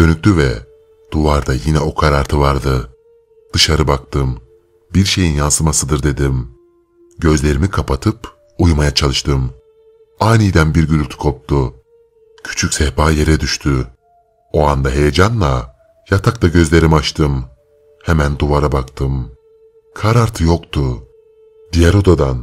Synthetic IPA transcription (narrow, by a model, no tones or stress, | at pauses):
d̥̪ø̞nyc̚ʲt̪yvɛ̰ | d̪̥uvaɾd̪ajinɛo̞kʰaɾaɾt̪ʰɯvaɾd̪ɯ | d̪̥ɯʃaɾɯbak̚t̪ɯm | biɾʃe̞jinjansɯmasɯd̪ɯɾd̪e̞d̪im | ɟø̞zlʲe̞ɾimikʰapʰat̪ʰɯp | ujmajat͡ʃʰalˠɯʃt̪ʰɯm | ajnijd̪ænbiɾɟyɾylʲt̪ʰy̥kʰo̞p̚t̪ʰu | cʰy̥t͡ʃʰycʲsɛhbaːje̞ɾɛd̪yʃt̪ʰy | o̞and̪aɦe̞jed͡ʒanlˠa | jat̪ʰakt̪ˠaɟø̞zlʲe̞ɾimat͡ʃt̪ʰɯm | hemænd̪uvaɾabakt̪ʰɯm | kʰaɾaɾt̪ʰɯjo̞kt̪ʰu | d̪ijɛɾo̞d̪ad̪an